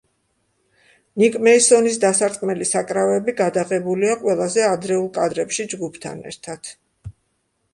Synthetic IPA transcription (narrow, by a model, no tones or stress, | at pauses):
nikʼmɛisɔnis̬d̪asaɾt̪ʼkʼmɛlisakʼɾavɛbiɡad̪aʁɛbuliaqʼwɛlˠazɛad̪ɾɛulˠkʼad̪ɾɛpʃid͡ʒɡupʰt̪ʰa̰nɛ̰ɾt̪ʰad̪̥